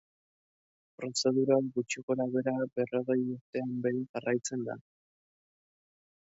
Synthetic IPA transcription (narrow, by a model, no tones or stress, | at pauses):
pɾo̞se̞ð̞uɾoakɡut͡ʃiko̞ɾaβe̞ɾabe̞ro̞ɣe̞juɾt̪e̞ambe̞jŋʝarajt͡se̞nd̪a̰